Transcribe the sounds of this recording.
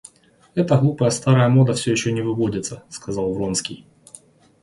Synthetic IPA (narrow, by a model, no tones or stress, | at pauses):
ɛt̪əɣlˠupəjəst̪aɾəjəmo̞d̪əfsʲɵjɪɕːonʲɪvɨvodʲɪt̪səskɐzɑlˠvɾonskʲij